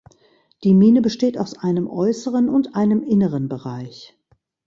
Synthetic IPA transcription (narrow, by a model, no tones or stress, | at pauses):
d̥iːmiːnəbəʃteːtaʊsʔaɪnəmʔɔʏsəʁənʊntʔaɪnəmʔɪnəʁənbəʁaɪç